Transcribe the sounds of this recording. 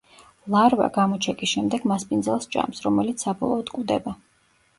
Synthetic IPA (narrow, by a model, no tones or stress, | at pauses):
lˠaɾva̰ɡamɔt͡ʃʰɛkʼisʃɛmd̪ɛɡmaspʼind̪zɛlˠsd͡ʒʼa̰msɾɔmɛlit̪ssabɔ̰lˠɔːd̪kʼud̪ɛba